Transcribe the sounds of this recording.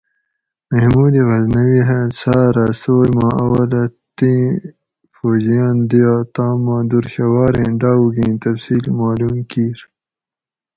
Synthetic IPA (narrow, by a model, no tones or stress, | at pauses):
mɐhmuːd̪iɣɐznɐwiɦesaːɾasoːjmãɐwɐlɐt̪ĩ | foːd͡ʑijaːnd̪iat̪aːmãːd̪uɾɕɐwaːɾẽːɖaːuɡĩːt̪ɐfsiːlmaːluːmkiːɾ